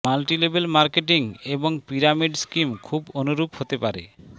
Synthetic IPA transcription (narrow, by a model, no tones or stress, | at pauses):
malʈilebelmaɾkeʈiŋeboŋpiɾamiɖskimkʰubonuɾuphot̪epaɾḛ